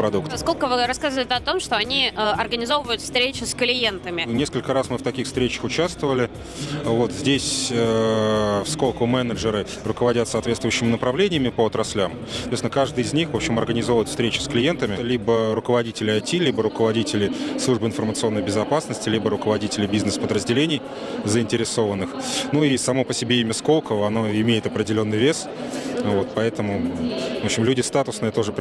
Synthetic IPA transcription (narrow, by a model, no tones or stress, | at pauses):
pɾɐd̪ukt̪sko̞lʲkəvɨɾɐskazəvəɪtʲɪɐt̪o̞mʂt̪oɐnʲiəɐrɡənʲɪzo̞vəvəjʊt̪fst̪ɾʲet͡ɕɪsklʲɪje̞nt̪əmʲɪnʲe̞skəlʲkəɾasmɨft̪ɐkʲixfst̪ɾʲet͡ɕə̥xʊt͡ɕast̪vəvəlʲɪ | vo̞t̪zʲdʲesʲə | fskolˠkʊmɛnəʐɨɾɨ | rʊkəvɐdʲat̪səɐːt̪vʲet̪t̪vʊjʏɕːɪmʲɪnəpɾɐvlʲenʲɪjəmʲɪpəɐt̪ɾɐsʲlʲamssɐɐt̪vest̪nəkaʐd̪ɨjɪzʲnʲixvo̞pɕɪmɐrɡənʲɪzo̞vʊjɪt̪fst̪ɾʲet͡ɕʊ̥sklʲɪje̞nt̪əmʲɪlʲibəɾʊkəvɐdʲitʲɪlʲɪɐjtʲilʲibəɾʊkəvɐdʲitʲɪlʲɪslˠuʐbəɨɪnfərmət̪sɨo̞nːəjbʲɪzɐpasnəsʲtʲɪlʲibəɾʊkəvɐdʲitʲɪlʲɪbʲiznɨspəd̪ɾəzʲdʲɪlʲenʲɪj | zəɪnʲtʲɪɾʲɪso̞vənːɨxnuisɐmo̞pəsʲɪbʲeɪmʲəsko̞lˠkəvəɐnoɪmʲejɪt̪ɐpɾʲɪdʲɪlʲo̞nːɨjvʲe̞s | vo̞t̪pɐɛt̪əmʊvo̞pɕɪmlʲudʲɪst̪at̪ʊsnɨjət̪o̞ʐɨp